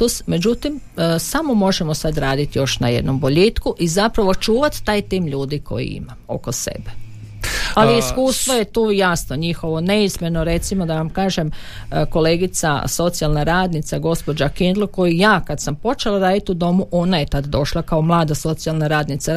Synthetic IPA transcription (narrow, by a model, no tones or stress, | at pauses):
t̪osme̞d͡ʑut̪imsamo̞mo̞ʒemo̞sad̪ɾaːd̪it̪jo̞ʃnajed̪no̞mbo̞ʎeːt̪kuʔizapɾaʋo̞t͡ʃuːʋat̪ːaːjt̪iːmʎuːd̪iko̞̰jḭḭmamo̞̰kosḛbe̥ | aliiskuːst̪ʋoje̞t̪uːjasno̞ɲixo̞ʋo̞ne̞izmeno̞ɾe̞t̪simo̞d̪aʋamkaːʒem | ko̞leːɡit̪sa̰so̞t̪sialnaɾaːd̪nit̪saɡo̞spo̞d͡ʒakind̪loko̞jijaːkad̪sampo̞t͡ʃelaɾaːd̪it̪ud̪o̞muʔo̞naje̞t̪ad̪d̪o̞ʃlˠakaomlˠaːd̪aso̞t̪sialˠnaɾaːd̪nit̪sa